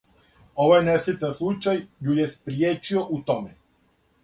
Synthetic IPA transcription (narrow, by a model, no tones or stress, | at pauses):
oʋajnɛsit̪aslˠut͡ʃajjujɛspɾijeːt͡ʃioʔut̪omɛ